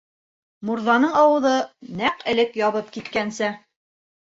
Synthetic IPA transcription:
muɾðɑnɤɴɑwɤ̆ðɤnæqɘ̆lɘkjɑβɤp̚kit̪kænsæ

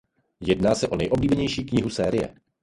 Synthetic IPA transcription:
jɛdnaːsɛʔo̞nɛ̰jʔo̞bliːbɛɲɛjʃiːkɲɪɦusɛːɾɪjɛ̰

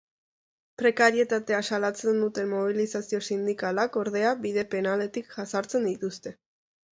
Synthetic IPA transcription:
pɾe̞kaɾie̞t̪at̪e̞asalat͡se̞nd̪ut̪e̞mmo̞β̞ilisasio̞sind̪ikalako̞ɾð̞e̞aβiðe̞pe̞nale̞t̪ikʝasaɾt͡se̞nd̪it̪ust̪e̞

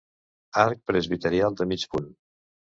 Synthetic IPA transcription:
aɾk̚pɾəzβit̪əɾialˠd̪əmit͡ʃpun

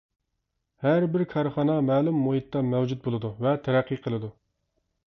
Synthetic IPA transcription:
hæɾbɪɾkʰɑɾχɑnɑmæːlumːoɦit̪ːɑmɛwd͡ʒut̪̚bolˠɨd̪uvɛt̪ʰæɾæqʰːiqʰəlˠɨd̪u

